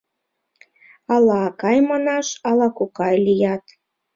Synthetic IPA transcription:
ɑlɑːkɑjmɑnɑʃɑlɑkukɑjlijɑt̪

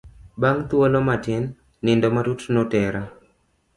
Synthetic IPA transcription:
baŋt̪wolomatɛnː | ɪndɔmatutnɔtɛɾa

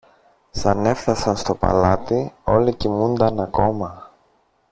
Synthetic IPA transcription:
sɐne̞fθɐsɐnst̪o̞pɐ̰lɐt̪io̞licimund̪ɐnɐko̞mɐ

